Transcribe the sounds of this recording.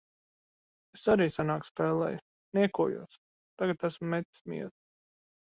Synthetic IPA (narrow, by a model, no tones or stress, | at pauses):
esaɾiːsanaːkspɛːlˠɛ̰ːjʊ | niɛkuːjṵɔs | t̪aɡat̪æsmʊːɛt̪smʲḭɛɾ